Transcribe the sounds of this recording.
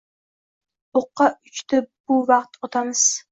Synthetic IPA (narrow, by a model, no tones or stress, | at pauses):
oqːɑʊt͡ʃt̪ʰɪb̥ʊvɑqt̪ot̪ʰamɨz̥